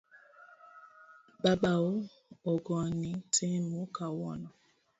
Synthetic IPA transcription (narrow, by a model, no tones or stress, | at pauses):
baɓao | ɔɡɔnitʰimukawɔnɔ